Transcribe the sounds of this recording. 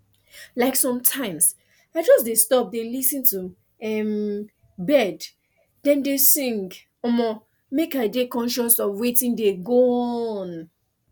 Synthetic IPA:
laɪksɔ̃mtʰãɪ̃ms | aɪd͡ʒɔsdestɔp̚delisɨ̃ntu | ɛm | bɛd | dɛ̃ndesĩŋɡ | ɔmɔ | mekaɪdekɔ̃nʃɛ̃nsɔvwetĩndeɡoɔn

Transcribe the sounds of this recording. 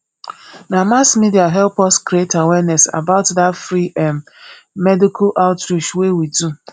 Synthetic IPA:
namasmidiaɦɛlpɔskɾietawɛnɛsa̰baʊtdatfɾiʔɛm | mɛdikʰalʔaʊtɾiʃwewidu

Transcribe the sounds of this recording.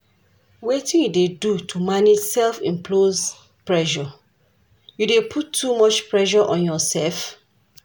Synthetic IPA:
wetĩnjudedutʰumaned͡ʒsɛlfĩmpʰloz | pɹɛʃɔ | judepʰutʰːumɔt͡ʃpɹɛʃɔʔɔ̃njɔsɛlf

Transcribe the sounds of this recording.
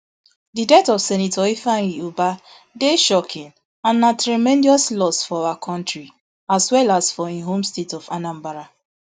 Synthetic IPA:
didɛtɔfsɛnitɔifaŋiuba | deʃɔkʰĩn | ãnːatɾimɛ̃ndiɔslɔsfɔawakʰɔ̃ntɹi | aswɛlasfɔĩɦomstetɔfanãmbaɾa

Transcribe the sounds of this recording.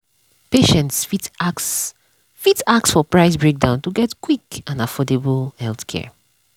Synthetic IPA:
peʃɛ̃ntsfit | fitak̚sfɔpɹaɪsbɹek̚dãʊ̃ntuɡɛtkwikãnafɔdeblˠhɛlˠθkʰɛ̰ɹ

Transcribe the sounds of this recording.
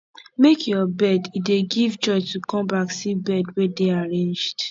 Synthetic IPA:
mekʰjɔbɛdideɡivt͡ʃɔt͡ʃtukʰɔ̃mbaksibɛdwedeaɹẽnd͡ʒd̥

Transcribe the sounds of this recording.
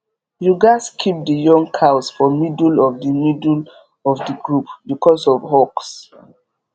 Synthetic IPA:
juɡaskʰip̚dəjɔ̃ŋkʰaʊsfɔmidulɔvdəmidl | ɔvdəɡɹupbikʰɔsɔvhɔks

